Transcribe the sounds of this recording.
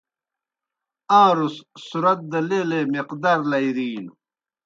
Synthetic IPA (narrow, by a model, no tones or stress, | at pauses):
ãːɾusːuɾɐt̪̚d̪ɐleːlemiqd̪aːɾlɐiɾiːnu